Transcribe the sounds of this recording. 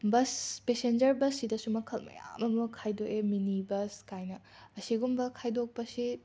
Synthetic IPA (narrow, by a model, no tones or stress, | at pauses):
bɐspesend͡ʒɐɾbɐsːidɐsumɐkʰɐlmɐ̰ja̰mɐmukʰajdokeminibɐskajnɐ | ɐsiɡumbɐkʰajdok̚pɐsi